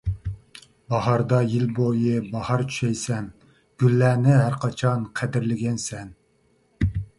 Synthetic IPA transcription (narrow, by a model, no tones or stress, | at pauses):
bɑhɑɾd̪ɑjilbojɪbɑhɑɾt͡ʃʰy̥ʃɛjsɛn | ɡ̥ʲylːæːnɪɦæɾqʰɑt͡ʃʰɑnqʰæd̪ɪɾlɪɡʲɛnsɛn